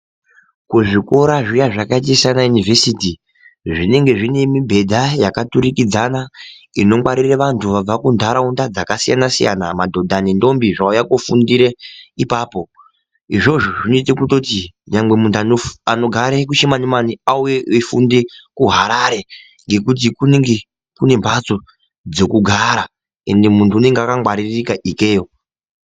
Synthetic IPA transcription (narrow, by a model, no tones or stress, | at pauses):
kuʐiko̞ɾaʐijaʐakait̬isanajunive̞siti | ʐine̞ŋɡe̞ʐine̞mibʱe̞dʱajakatuɾikid͡zana | ino̞mwaɾireʋantʰuʋab͡vakundʱaɾaundad͡zakasija̰nasija̰namadʱo̞dʱanindo̞mbiʐaujakofundiɾeipaːpo̞ | iʐo̞ʐoʐinoit̬ekuto̞ti | ɲaŋɡwe̞muntʰuaoano̞ɡʱaɾek̬uʃemanimaniaujeefundekuɦaɾaɾe̞ | ŋɡe̞kut̬ikuneŋɡe | kune̞mbʱat͡so̞ | d͡zo̞kuɡʱaɾa | e̞nde̞muntʰuːne̞ŋɡeakaŋwaɾirikaʔike̞ːjo